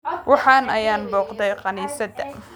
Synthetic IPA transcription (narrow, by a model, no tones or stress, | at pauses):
wʔɑħɑːnɐjaːnbɔːqd̪ɛjqɑniːsɐd̪ɐ